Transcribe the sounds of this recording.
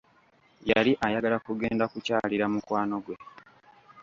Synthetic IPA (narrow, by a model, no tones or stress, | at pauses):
jaliʔajaɡalakuɡe̞ːndakucaːliɾamukwaːno̞ɡwe